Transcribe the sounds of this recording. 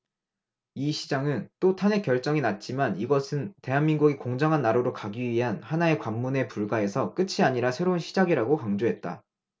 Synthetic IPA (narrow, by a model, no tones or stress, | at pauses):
iɕʰid͡ʑaŋɯnt͈otʰane̞kjʌɭt͡ɕ͈ʌŋinat̚t͡ɕ͈imaniɡʌsʰɯnte̞ɦanminɡuɡikoŋd͡ʑaŋɦanːaɾoɾoɭkaɡiɥiɦanhanae̞kwamːune̞puɭɡae̞sʰʌk͈ɯt͡ɕʰiaɲiɾasʰe̞ɾounɕʰid͡ʑaɡiɾaɡokaŋd͡ʑoɦe̞t̚t͈a̰